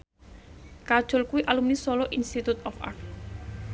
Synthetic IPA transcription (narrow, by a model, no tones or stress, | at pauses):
kad̥ʒ̥o̤lkuwiʔalumnisɔlɔʔinst̪it̪ut̪ɔfa̰rk̚